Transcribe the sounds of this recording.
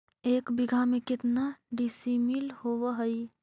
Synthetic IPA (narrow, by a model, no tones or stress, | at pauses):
eːkbɪɡʱamẽkɪt̪naɖisimilhowəɦəj